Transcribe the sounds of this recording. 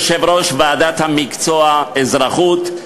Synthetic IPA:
ʃevɾoʃvaːd̪at̪hamikt͡soaezɾaχut̪

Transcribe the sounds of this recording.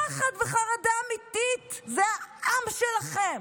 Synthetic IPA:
aχad̪veχaʁad̪aːmit̪itzeaʔamʃelaχem

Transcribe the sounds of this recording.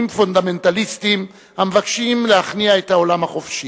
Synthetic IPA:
mfondame̞ntalistim | hamevakʃimlehaχniaethao̞lamhaχo̞fʃi

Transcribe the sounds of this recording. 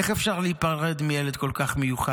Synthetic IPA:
eχefʃaʁleipaʁʁed̪mijeled̪ko̞lkaχmejuχa

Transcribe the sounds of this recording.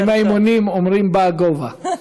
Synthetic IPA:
majmonimomɾimbaɡova

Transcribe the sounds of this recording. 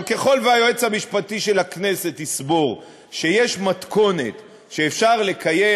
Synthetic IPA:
ke̞χo̞lveajoet͡shamiʃpatiʃe̞lhakne̞se̞tisbo̞ʁ | ʃe̞jeʃmatko̞ne̞̰t̪ | ʃeːfʃaʁle̞kʰaje

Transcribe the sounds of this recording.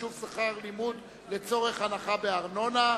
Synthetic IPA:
uvsaχaʁlimud | le̞t͡so̞ʁe̞χanaχabe̞aʁno̞na

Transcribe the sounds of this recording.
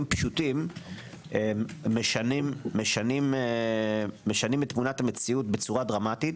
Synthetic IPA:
mpʃutim | emeʃanimːeʃanim | e̞ʃanimetːmunathamet͡siutbe̞t͡suʁadʁamatit

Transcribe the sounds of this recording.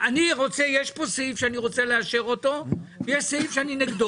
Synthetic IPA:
aniʁo̞t͡sejeʃpo̞seifʃeaniʁo̞t͡seleaʃeʁo̞to̞vejeʃseifʃeanineɡd̪o

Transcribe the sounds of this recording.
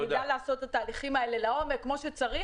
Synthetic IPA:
d̪ajlaːso̞t̪ːat̪aːliχimae̞le̞lao̞me̞kkːmo̞ʃet͡saʁi

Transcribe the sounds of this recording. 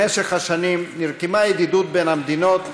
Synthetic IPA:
eʃeχhaʃanimniʁkemajed̪id̪ut̪̚benamd̪ino̞t̪

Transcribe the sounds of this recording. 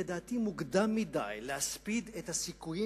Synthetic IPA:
ed̪aːt̪imuɡd̪amːid̪a̰jlehaspid̪et̪hasikuji

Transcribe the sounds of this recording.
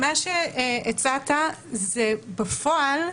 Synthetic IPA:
maʃeet͡sat̪azebafoal

